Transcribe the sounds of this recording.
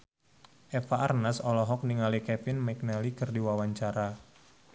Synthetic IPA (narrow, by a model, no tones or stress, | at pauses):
ʔɛfaarnasɔlɔɦɔk̚niŋalikɛfɪnmɛk̚nalikɨrdiwawaɲt͡ʃaɾa